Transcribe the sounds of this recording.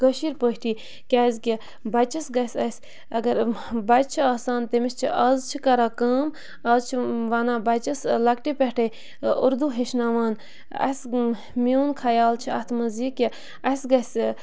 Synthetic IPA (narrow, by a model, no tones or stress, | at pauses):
ɡ̥əʃiːɾpəɦʲʈiː | kʲaːzʲkʲi | bɐt͡ʃɐsɡɐsʲɐsʲ | ɐɡɐɾbɐt͡ʃt͡ʃʰiaːsaːnt̪emist͡ʃʰiʔɐzt͡ʃʰikɐɾaːkɐːm | ɐzt͡ʃʰiʋɐnaːbɐt͡ʃɐslɐkʈipʲɛhʈʰɐj | uɾd̪uɦeʃnaːʋaːn | ɐ̰s | miuːnkʰɐjaːlt͡ʃʰiɐ̰ht̪ʰmɐziːkʲːi | ɐsɡɐsʲ